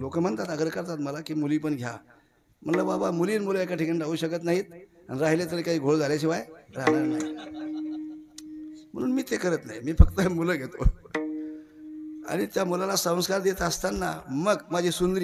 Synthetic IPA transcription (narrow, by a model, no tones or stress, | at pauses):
lokəm̤əɳt̪at̪əɡəɾkəɾt̪at̪məlakiːmuliːpəɳɡʱja̰ | m̤ənlababamuliːnmuləekaʈʰikənɖauːɕəkət̪̬naɦiːt̪̚ | aniɾaɦilet͡s̪əɾekaɦiːɡʱoɭd͡zʱaljat͡ɕiʋajɾaɦnaɾna̰ɦi | m̤əɽ̃uːnmiːt̪ekəɾət̪naɦimiːfəkt̪əmuləɡʱet̪o̰ | a̰ɽ̃it̪jamulalasə̃w̃skaɾd̪et̪əst̪anːa̰məɡmad͡ʑʱisund̪ɾiː